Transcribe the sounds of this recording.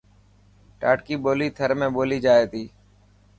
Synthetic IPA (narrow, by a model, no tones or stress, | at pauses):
ʈa̰ːʈkiːɓoːliːt̪ʰəɾmẽːɓoːliːd͡ʒaːeːt̪iː